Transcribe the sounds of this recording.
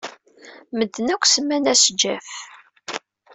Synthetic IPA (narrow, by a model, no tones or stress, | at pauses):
məd̪ːnækʷːsəmːænæsd͡ʒæ̰f